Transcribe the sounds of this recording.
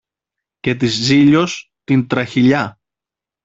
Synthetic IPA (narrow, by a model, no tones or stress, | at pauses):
ce̞t̪̬izziʎo̞st̪int̪ɾɐçiʎɐ